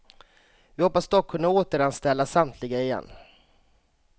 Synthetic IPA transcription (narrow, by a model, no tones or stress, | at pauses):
vɪhɔpːasd̪ɔkʰːɵnːaoːt̪əɾanst̪ɛlːasamt̪ʰlɪɡaɪjɛ̰nː